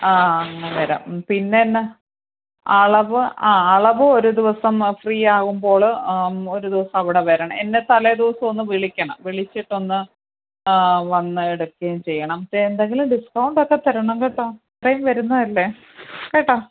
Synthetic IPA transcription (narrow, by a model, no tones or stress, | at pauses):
aːɐŋːɐʋeɾa̰mpinːenːe | ɐɭɐʋɨaːɐɭɐʋɨo̞ɾud̪iʋɐsɐmfriːaːɣumbo̞ːɭo̞ɾud̪iʋɐsɐmɐʋiɽe̞ʋeːɾɐɳɐ̰enːe̞t̪ɐled̪iʋɐsɐmo̞nːɨʋiɭikʲːɐɳɐ̰mʋiɭit͡ɕːiʈːo̞nːɨ | ʋɐnːɨeɽukːɐjumt͡ɕe̞jːɐɳɐmend̪eŋɡilumɖiskɐwɳɖokːɐt̪ːɐɾɐɳɐmkeːʈːaːprɐjumʋɐɾunːɐðɐlːe | keʈːa